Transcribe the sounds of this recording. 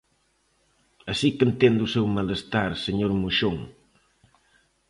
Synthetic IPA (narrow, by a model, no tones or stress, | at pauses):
asikent̪end̪usewmaləst̪aɾseɲoɾmuʃoŋ